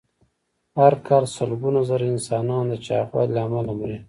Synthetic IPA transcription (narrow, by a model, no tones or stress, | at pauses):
haɾkʰɑlsəlɡunazaɾaɪnsɑnɑnd̪ət͡ʃɑ̰xwa̰lɑːmalamɾi